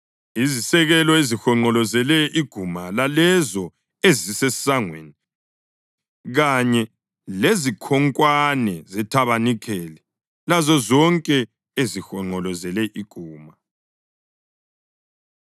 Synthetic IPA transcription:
izisɛɣɛlɔezixɔŋ͡ǃɔlɔzɛlɛʔiɡ̥ʱumalalɛzɔ | ezisɛsaŋwḛni | ɣaɲɛ | lezikʰɔŋkʼwanɛzɛtʰaβanikʰɛːlɛ | lazɔzɔŋkʼɛ | ezixɔŋ͡ǃɔlɔzɛlɛʔiɡ̥ʱuːma

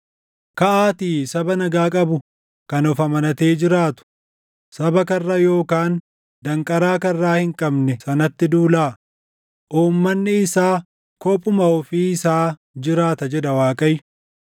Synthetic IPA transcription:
kɐʔaːt̪iːsɐbɐnɐɡaːkʼɐbʊ | kɐnɔfɐmɐnɐt̪e̞ːd͡ʒɪɾaːt̪ʊ̥ | sɐbɐkɐrːɐjo̞ːkaːn | dd̪ɐŋkʼɐɾaːkɐrːaːhɪŋkʼɐbnɛsɐnɐt̪ːɪd̪uːlaː | ʔuːmːɐnːɪɪsaː | kɔpʼːʊmɐɔfiːɪsaː | d͡ʒɪɾaːt̪ɐd͡ʒɛd̪ɐwaːkʼɐjɪ

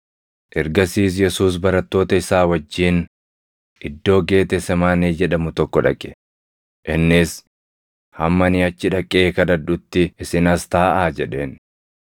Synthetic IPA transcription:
ʔɛɾɡɐsiːs̬jɛsuːs̬bɐɾɐt̪ːo̞ːt̪ɐɪsaːwɐd͡ʒːiːn | ʔɪd̪ːo̞ːɡe̞ːt̪ɛsɛmaːneːd͡ʒɛᶑɐmʊt̪ɔkːɔᶑɐ̰kʼːɛ̥ | ʔɪnːɪs | hɐmːɐnɪɐt͡ʃːɪᶑɐkʼːeːkɐd̪ɐd̪ʊt̪ːɪːsɪnɐst̪aːʔaːd͡ʒɛᶑe̞ːn

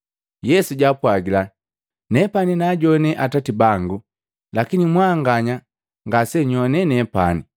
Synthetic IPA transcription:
jɛsuɟaːpwaɡila | nɛpaninaɟɔnɛʔatatibaŋɡu | lakinimwaŋɡaɲa | ŋɡasɛɲɔnɛnɛpani

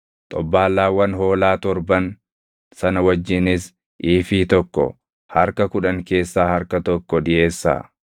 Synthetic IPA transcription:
t̪ʼɔbːaːlːaːwɐnɦo̞ːlaːt̪ɔɾbɐn | sɐnɐwɐd͡ʒːɪnɪs | ʔiːfit̪ɔkːɔ̰ | hɐɾkɐkʊᶑɐŋke̞ːsːaːhɐɾkɐt̪ɔkːɔᶑɪʔe̞ːsːa̰ː

